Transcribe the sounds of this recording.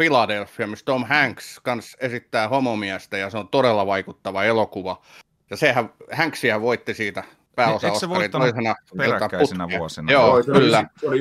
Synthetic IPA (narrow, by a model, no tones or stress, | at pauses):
filɑdelfːˑiɑmist̪omhæŋkskɑnsesit̪ːæːhomomiæst̪æjɑseont̪oɾelːɑʋɑikut̪ːɑʋɑelokuʋɑ | jɑsehæʋhæŋksihæʋʋoit̪ːisiːt̪æ | pæːosɑokɑioisenɑet̪ːɑput̪nsnjoːkylːæoli